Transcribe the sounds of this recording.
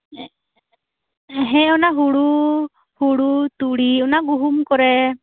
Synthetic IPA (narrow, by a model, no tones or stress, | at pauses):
ɦɛ̃ɔnaɦuɽu | huɽut̪uɽiɔnaɡuɦumkɔɾɛ